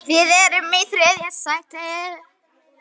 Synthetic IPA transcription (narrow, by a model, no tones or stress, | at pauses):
vɪðɛɾʏmːejθɾɛðjɛsajt̪aɛð